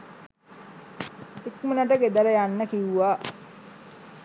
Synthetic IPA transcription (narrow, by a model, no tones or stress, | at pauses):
ekmənaʈəɡed̪ələjanːəkiuʋa